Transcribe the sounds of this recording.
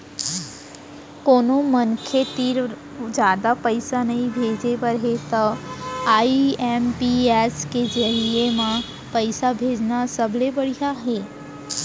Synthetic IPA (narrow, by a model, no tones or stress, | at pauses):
koːnõmənkʰet̪iːɾ | d͡ʒjaːd̪apəɪsanɐɦĩbʱeːd͡ʒebəɾɦet̪ɐaːiɛːmpieːsked͡ʒəɾiemã | pəɪsabʱeːd͡ʒnasɐblebɐɽ̤ijaɦɛː